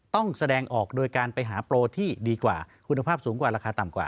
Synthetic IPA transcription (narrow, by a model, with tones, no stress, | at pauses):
t̪ɔ˥˩ŋsa˧dɛː˧ŋʔɔː˨˩k̚doː˧jkaː˧npa˧jɦaː˩˦pɾoː˧t̪ʰiː˥˩diː˧kwa̰ː˨˩kʰu˧nːa˧pʰaː˥˩p̚suː˩˦ŋkwaː˨˩ɾaː˧kʰaː˧t̪a˨˩mkwa̰ː˨˩